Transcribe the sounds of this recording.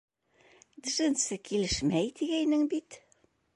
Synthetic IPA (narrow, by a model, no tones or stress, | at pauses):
d̪ɘ̆ʒɘ̆nsɘkilɘʃmæjt̪iɡæjnɘŋbit̪